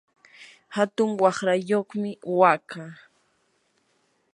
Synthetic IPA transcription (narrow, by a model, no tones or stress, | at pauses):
hat̪ʊŋwɑχɾajoχmɪwakaː